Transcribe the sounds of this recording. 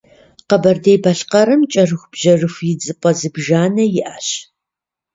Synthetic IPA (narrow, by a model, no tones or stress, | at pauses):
qɐbɐrdejbɐɬqɐɾɨmt͡ʃʼɐrɨxʷb̥ʑ̥ɐrɨxʷjɪd͡zʼɨpʼɐzɨbʒaːnɐjɪʔaːɕ